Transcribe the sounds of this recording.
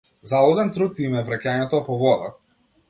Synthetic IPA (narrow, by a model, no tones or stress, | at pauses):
zalˠɔd̪ɛnt̪ɾut̪imɛvɾacaɲɛt̪ɔpɔvɔd̪a̰